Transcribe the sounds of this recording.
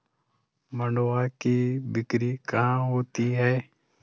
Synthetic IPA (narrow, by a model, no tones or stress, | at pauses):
məɳoːaːkiːbɪkɾiːkəɦãːɦoːt̪iːɦɛː